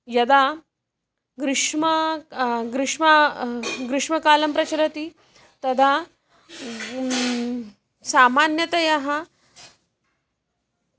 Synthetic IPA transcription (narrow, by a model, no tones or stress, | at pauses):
jɐd̪a | ɡɾɪʂmɐ | ɡɾɪʂma | ɡɾɪʂmɐkaːlɐmpɾɐt͡ɕɐɾɐt̪i | t̪ɐd̪ʱa | samanjɐt̪ɐjaɦa